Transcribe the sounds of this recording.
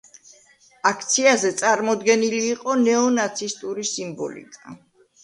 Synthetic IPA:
akʰt̪sʰiazɛt̪sʼaɾmɔd̪ɡɛniliːqʼɔnɛɔnat̪sʰist̪ʼuɾisimbɔ̰lḭkʼa

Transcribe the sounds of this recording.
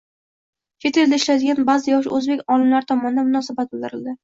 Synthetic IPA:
kʲʰet̪ʰeɾd̪aɪʃlad̪ɪɡʲanbazɪjɒʃ̬ɵzbe̞kʲɒlˠɪmlaɾɪt̪ʰɒmɒnɪd̪anmʊnɒsabat̪̚bɪlˠd̪ɪɾɪld̪ɪ

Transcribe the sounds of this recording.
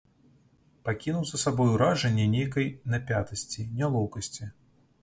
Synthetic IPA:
pakʲinuwzɐsabɔjuɾaʐɛnʲːɛnʲejkɐjnapʲat̪ɐsʲt͡sʲinʲalˠɔwkɐsʲt͡sʲi

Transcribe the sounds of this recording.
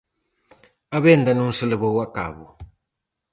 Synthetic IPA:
aβend̪anun̩sələβowaka̰βṵ

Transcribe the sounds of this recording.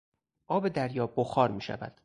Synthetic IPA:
ʔɒːbe̞d̪æɾjɒːboxɒːɾmiːʃæ̰væ̰d̪̥

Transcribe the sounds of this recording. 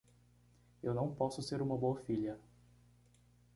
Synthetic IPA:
ewnɐ̃w̃pɔsʊseɾũmɐboɐfiʎɐ

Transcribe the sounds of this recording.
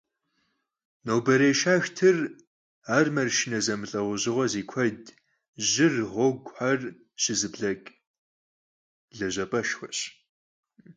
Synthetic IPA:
nowbɐɾeːʃaːxtʰɨr | aːrmɐrʃɪnɐzɐmɨɬʼɐʁʷʊʑɪʁʷɐziːkʷʰɐd | ʑɪrʁʷɔɡʷħar | ɕɪzɨbɮɐkʼ | ɮɐʑɐpʼɐʃxʷɐɕ

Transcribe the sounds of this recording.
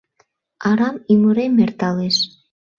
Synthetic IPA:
ɑɾɑmiməɾemert̪ɑleʃ

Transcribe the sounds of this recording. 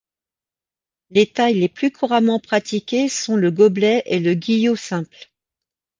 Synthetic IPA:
let̪ajleplykʰuʁamɑ̃pχat̪ikʲesɔ̃ləɡɔblɛʔeləɡʲijosɛ̃pl

